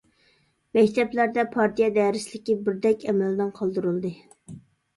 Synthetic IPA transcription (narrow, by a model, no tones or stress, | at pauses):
mɛkʲt̪ʰɛplæɾd̪ɛpʰɑɾt̪ʰijɑd̪ɛɾɪslɪkʲibɪɾd̪ɛkʲɛmɛlɪnɨŋqʰɑlˠd̪ɨɾɨlˠd̪ɨ